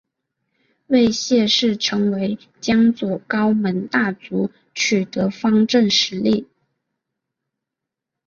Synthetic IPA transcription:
we˥˧ɪɕjɛ˥˧ʂɻ̩˥˩ʈ͡ʂʰɤ˧˥ŋwe˧˥ɪ | t͡ɕjɑ˥ŋt͡swɔ˨˩kɑ˥ʊmə˧˥nt̪a˥˩t͡su˧˥ | t͡ɕʰy˨˩t̪ɤ˧˥fɑ˥ŋʈ͡ʂə˥˩nʂɻ̩˧˥li˥˩

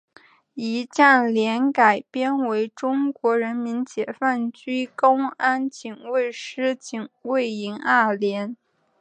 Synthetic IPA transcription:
i˧˥t͡ɕa˥˩nljɛ˧˥nka˨˩ɪpjɛ˥nwe˧˥ɪʈ͡ʂʊ˥ŋkwɔ˧˥ɻə˧˥nmi˧˥nt͡ɕjɛ˨˩fa˥˩nt͡ɕy˥ko˥ʊa˥nt͡ɕi˨˩ŋwe˥˧ɪʂɻ̩˥t͡ɕi˨˩ŋwe˥˩ɪi˧˥ŋa˥˩ljɛ˧˥n

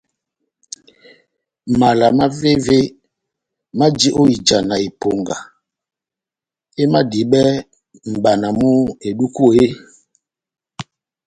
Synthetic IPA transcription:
ma˨la˨ma˦ve˦ve˦ | ma˦d͡ʒi˦ʔo˦i˨d͡ʒa˨na˨i˨po˨ŋɡa˨ | e˦ma˦di˨ɓɛ˦ | m̩˨ɓa˨na˨mu˦e˨du˦ko˦˨e˦

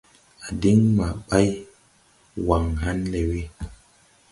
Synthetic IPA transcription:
a˨di˦ŋma˨ɓa˦j | wa˨ŋɦa˦nle˨wi˦

